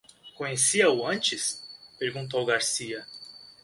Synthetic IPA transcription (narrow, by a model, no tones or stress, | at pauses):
kõɲesiɐʊɐ̃nt͡ʃɪspeɾɡũnt̪̬owɡaɾsiɐ